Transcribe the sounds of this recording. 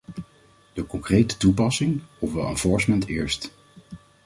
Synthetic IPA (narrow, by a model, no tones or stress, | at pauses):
d̥əkɔŋkrejtə̥tupɑsɪŋufʋɛlˠɛ̰nvɔɹsmɛntɪːɹst